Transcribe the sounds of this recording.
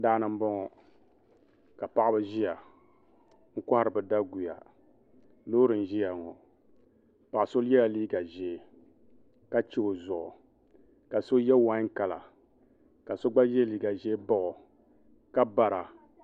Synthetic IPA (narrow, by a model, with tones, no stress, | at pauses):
daː˦nɨ˦m̩˦bɔ˦ŋɔ˨ | ka˨pa˦ʔbɨ˦ʒi˦ja˨ | ŋ̩˦ka˦ha˦ɾɨ˨bɨ˨da˦ɡu˨ja̰˨ | lo˦ɾɨ˨n̩˨ʒi˦ja˨ŋɔ˨ | pa˨ʔso˦lɛ˦la˨liː˦ɡa˨ʒɛ˨ | ka˦t͡ʃe˦o˨zɔ˨ʔɔ̰˨ | ka˨so˦jɛ˦wa˨˦ŋ˦ka˨la˨ | ka˨so˦ɡ͡ba˦jɛ˦liː˦ɡa˨ʒɛ˦bɔ˦ʔɔ˨ | ka˦ba˨ɾa˨